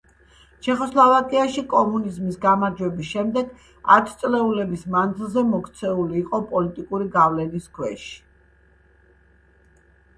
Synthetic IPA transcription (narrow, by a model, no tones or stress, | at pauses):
t͡ʃʰɛχɔslˠavakʼiaʃikʼɔmunizmisɡamaɾd͡ʒwɛbisʃɛmd̪ɛɡ | a̰t̪ʰt̪sʼlɛulɛbismand̪zilˠzɛmɔkt̪sʰɛuliːqʼɔpʼɔlit̪ʼikʼuɾiɡavlɛniskʰwɛʃi̥